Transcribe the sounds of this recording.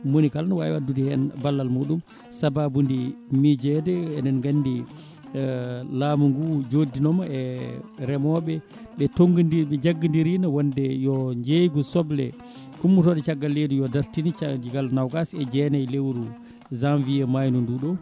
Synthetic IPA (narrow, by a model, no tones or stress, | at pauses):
monikalnwa̰ɛ̰wadːudihɛnbalːalmuːɗum | sababundimid͡ʒɛdɛːnɛnɡanːdi | laːmuŋɡud͡ʒodːinɔmɔɛɾɛmɔɓɛ | ɓɛtoŋɡindiɓɛd͡ʒaɡːindiɾinawɔndɛjɔɲd͡ʒejɡusɔblɛ̰ | kumːutɔdɛt͡ʃaɡːalːeːdujɔdaɾtinit͡ʃad͡ʒiɡalnawɡasɛd͡ʒɛnajlewɾu | zanviɛmajnunduɗɔ